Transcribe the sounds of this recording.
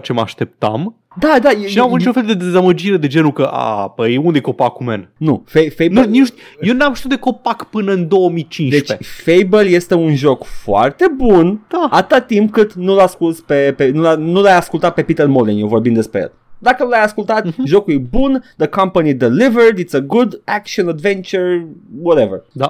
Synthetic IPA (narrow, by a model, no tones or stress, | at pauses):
t͡ʃema̰ʃt̪ep̚t̪a̰m | d̪ad̪ajeʃinamvuniit͡ʃunfeld̪e̞d̪e̞zaməd͡ʒiɾe̞d̪e̞d͡ʒe̞nukəʔa̰pəjeund̪ekopakumennufejfejnunit͡ʃjewnamʃt̪iut̪d̪eko̞pakpɨnəɨnd̪o̞əmit͡ʃind̪eʃt͡ʃfejbəlje̞st̪e̞unʒo̞kfoa̰rt̪e̞bund̪̥aat̪ɨ̥t̪at̪ːimpkɨt̪nulaskulspe̞penulanulajaskult̪at̪̚pe̞pit̪ərmolinjewvo̞rbind̪espɾejḛl | d̪akəlajaskult̪at̪ʒo̞kujebund̪əkãmpənid̪ilivəɹd̪it̪səɡud̪ækʃionad̪vẽnt͡ʃəɹwɔɾevərd̪a